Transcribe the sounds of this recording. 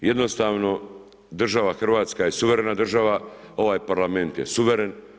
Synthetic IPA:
jed̪no̞st̪aːʋno̞ | d̪r̩ʒaʋaxr̩ʋaːt̪skajesuʋeɾenad̪r̩ʒaʋa | o̞ʋaːjpaɾlame̞nt̪jesuʋeɾen

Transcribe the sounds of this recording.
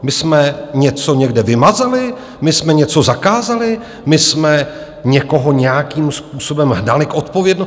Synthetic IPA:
mɪsmɛɲɛt͡so̞ɲɛɡdɛvɪmazalɪ | mɪsmɛɲɛt͡so̞zakaːzalɪ | mɪsmɛ | ɲɛko̞ɦo̞ɲɛjakiːmspuːso̞bɛmɦnalɪkʔo̞t̪po̞vjɛdno

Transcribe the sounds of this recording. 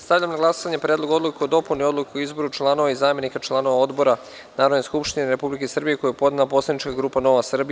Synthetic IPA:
st̪aʋʎʲamnaɡlˠasoʋaɲepɾeːd̪lˠo̞ɡo̞d̪lukeod̪o̞punio̞d̪lˠukeoizbo̞ɾut͡ʃlˠano̞ʋaizaːmje̞nikat͡ʃlˠano̞ʋao̞d̪bo̞ɾa | naːɾod̪neskupʃt̪ineɾe̞publikesr̩bije̞ko̞jupo̞d̪naapo̞slˠad̪nit͡ʃkaɡɾuːpano̞ʋasr̩bi

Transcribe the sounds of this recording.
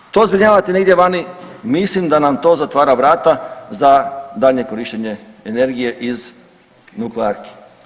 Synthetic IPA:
t̪o̞zbɾiɲaːʋat̪ine̞ɡd̪jeʋani | mislimd̪anamt̪o̞ːzat̪ʋaːɾaʋɾaːt̪azad̪aʎɲe̞ko̞ɾiʃt͡ɕeɲe̞ | ene̞ɾɡije̞ʔiz | nukleaɾki̥

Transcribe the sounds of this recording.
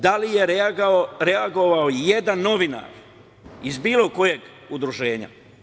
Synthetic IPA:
d̪alijeɾ | ɾeaɡo̞ʋaoje̞d̪anːo̞ʋina̰ɾ | izbiːlˠo̞ko̞je̞ɡ | ud̪ɾuʒe̞ːɲa̰

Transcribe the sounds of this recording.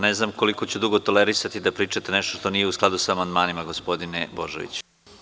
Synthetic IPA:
neznamko̞likot͡ɕud̪uɡo̞t̪o̞leɾisat̪id̪apɾiːt͡ʂat̪eneʃt̪oʃt̪o̞nijeusklˠad̪usaːmand̪maːnimaɡospo̞d̪inebo̞ʒḛʋḭt͡ɕ

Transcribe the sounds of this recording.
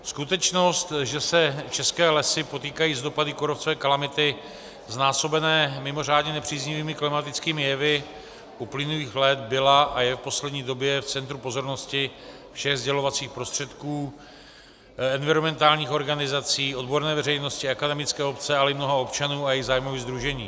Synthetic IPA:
skut̪ɛt͡ʃno̞st̪ʒɛsɛt͡ʃɛskɛːlɛsɪpo̞t̪iːkajiːzdo̞padɪkoɾoft͡sovɛːkalamɪt̪ɪ | znaːso̞bɛnɛːmɪmo̞r̝aːdɲɛnɛpr̝̥iːzɲɪviːmɪklɪmat̪ɪt͡skiːmɪjɛvɪ | ʔuplɪnuliːxlɛt̪bɪlaʔajɛfpo̞slɛd̪ɲiːdo̞bjɛft͡sɛnt̪ɾupo̞zo̞ɾno̞scɪ | fʃɛɣzɟɛlo̞vat͡siːxpɾo̞st̪r̝̥ɛt̪kuː | ɛnvɪɾomɛnt̪aːlɲiːxo̞ɾɡanɪzat͡siːo̞d̪bo̞ɾnɛːvɛrɛjno̞scɪɛkadɛmɪt͡skɛːo̞pt͡sɛalɛɪmno̞ɦao̞pt͡ʃanuːajɛjiɣzaːjmoviːɣzd̪ɾuʒɛɲiː

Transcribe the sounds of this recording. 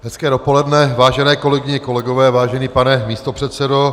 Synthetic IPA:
ɦɛskɛːdopo̞lɛdnɛvaːʒɛnɛːko̞lɛɡɪɲɛko̞lɛɡovɛːvaːʒɛniːpanɛmiːst̪opr̥ɛt̪sɛdo

